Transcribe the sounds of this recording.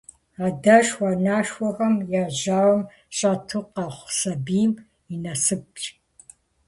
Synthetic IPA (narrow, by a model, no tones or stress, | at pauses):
adɐʃwanaːʃwɔxɐmjaːʑaːwɐm | ɕʼɐtʰɨqɐχʷsɐbiːm | inɐsɨp̚t͡ʃʼ